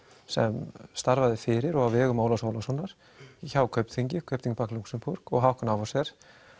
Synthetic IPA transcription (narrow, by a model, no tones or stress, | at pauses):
sɛ̰mst̪aɾvaðɪfɪɾɪɾɔɣawvɛːɣʏmaːwlasoːwlasɔnːaɾ̥ | çawkʰœɥpt̪fiɲcɪkʰœɥpt̪iɲcpakluksɪmpuɾkɔɣɦawhkanavasɛɾ̥